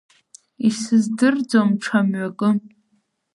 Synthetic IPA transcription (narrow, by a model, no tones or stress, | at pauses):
isɨzdɨrd͡zomʈ͡ʂʰamɥakʼɨ